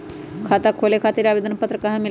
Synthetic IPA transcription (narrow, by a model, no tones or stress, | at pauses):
kʰat̪akʰoːlekʰaːt̪iɾabed̪ənɐpət̪ɾəkɐɦãmi